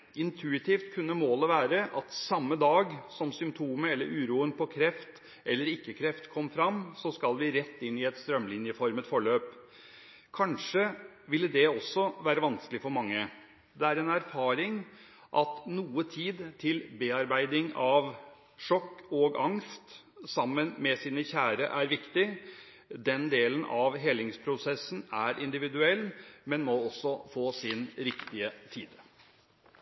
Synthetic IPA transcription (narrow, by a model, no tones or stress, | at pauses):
ɪnt̪ʰʉɪt̪ʰɪːft̪kʰʉnːəmoːləʋæːɾəʔɑt̪sɑmːəd̪ɑːɡsɔmsʏmpt̪ʰuːməɛlːə̰ɾʔʉːɾuːənpʰɔkʰɾɛft̪ | ʔɛlːəɾɪkːəkʰɾɛft̪kʰɔmːəfɾɑmːsɔskɑlˠʋɪɾɛt̪ːɪnːɪɛt̪st̪ɾœmːlɪnjəfɔɾmət̪fɔɭøːp | kʰɑnʂə | ʋɪlːəd̪ɛɔsːɔʋæːɾəʋɑnskəlɪfɔɾmɑŋːə | d̪ɛæɾɛnæɾfɑːɾɪŋ | ʔɑt̪nuːət̪ʰiːd̪t̪ʰɪlbeːɑɾbæɪd̪ɪŋɑʋ | ʂɔkːɔɡɑŋst̪ | sɑmːənmɛsiːnəçæːɾə̰ʔæɾʋɪkt̪ɪ | d̪ɛnd̪eːlənʔɑʋɦɛlɪŋspʰɾʊsɛsn̩æɾʔɪnd̪ɪʋɪd̪ʉɛlːmɛnmɔɔsːɔfoːsɪnɾɪkt̪ɪət̪ʰiːd̪